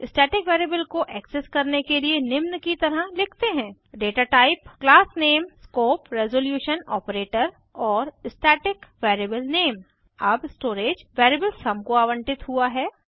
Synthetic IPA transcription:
ɪsʈɛːʈɪkʋɛːɾieːbəlkoʔɛːkseskɐɾnekelienɪmnkit̪ɐɾəlɪkʰt̪eɦɛ̃ː | ɖeːʈaːʈaːɪpklaːsneːmskoːpɾɛzoːljuːʃənɔːpɾeːʈəɾ | ɔːɾɪsʈɛːʈɪkʋɛːɾebəlneːm | ɐbsʈoːɾeːd͡ʒʋɛːɾeːbəlsɐmkoaːʋə̃ɳʈɪt̪ɦuaɦɛː

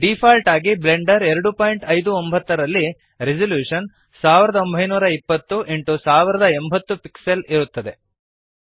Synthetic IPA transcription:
ɖipʰaːlʈaːɡible̞ɳɖɐɾɛɾɐɽupaːjɳʈɐjd̪uombʱɐt̪ːɐɾɐlːi | ɾid͡ʒɐljuːʂɐn | saːʋiɾɐd̪ɐombʱɐjnuːɾɐipːɐt̪ːuʔeɳʈusaːʋiɾɐd̪ɐembʱɐt̪ːupikseliɾut̪ːɐd̪e̞

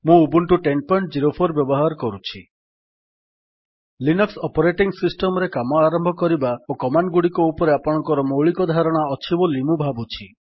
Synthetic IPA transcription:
mũubuɳʈuʈenpɔjɳʈd͡ʒiɾopʰoɾbjɔbɔɦaɾɔkɔɾut͡ʃʰi | linɔksɔpɔɾeʈiŋsisʈɔmɔɾekamɔaɾɔmbʱɔkɔɾibaokɔmanɖɡuɽikɔupɔɾeapɔɽ̃ɔ̃ŋkɔɾɔmoɭikɔd̪ʱaɾɔɽ̃aɔt͡ʃʰibɔlimubʱabut͡ʃʰi

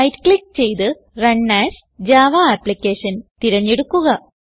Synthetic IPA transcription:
ɐjʈkɭik̚ːt͡ɕe̞jt̪ɨ | rɐɳːaːs | d͡ʑaːʋaːpːlikʲːeːʂɐnt̪iɾɐɲːeɽukːuɣɐ

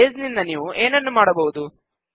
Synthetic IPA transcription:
eːznind̪ɐniːʋuʔe̞ːnɐnːumaːɽɐbɐʋud̪u

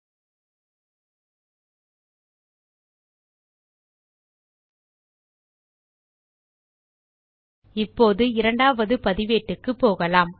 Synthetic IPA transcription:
ɪpːoːðɯɪɾɐɳɖaːʋɐðɯpɐðɪʋeːʈːɯkːɯpːoːɣɐlaːm

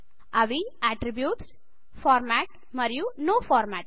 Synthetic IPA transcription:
aʋiaʈɾibjuːʈs | fɔːɾmæʈ | mɐɾjunoːfɔːɾmæʈ̚

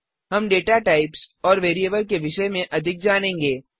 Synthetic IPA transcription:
ɦɐmɖeːʈaʈaːɪpsɔːɾʋeːɾieːbəɾkeʋɪʃəmẽʔɐd̪ʱɪk̚d͡ʒaːnẽːŋɡeː

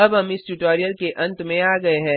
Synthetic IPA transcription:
ɐbɦɐmɪsʈuʈoːɾijəlkeʔɐ̃nt̪mẽaːɡɐeɦɛ̃ː

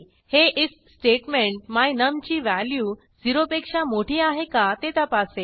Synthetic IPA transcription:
heʔis | sʈeʈmeɳʈmajnəmt͡ɕiːʋæljuː | d͡ziɾopekʂamoʈʰiːaɦekat̪et̪apase

